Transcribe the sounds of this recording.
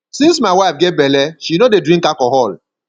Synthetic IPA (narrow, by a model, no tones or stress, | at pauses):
sĩns̬maɪwaɪfɡɛt̚bɛlɛʃinodedɹĩŋkakɔɦɔl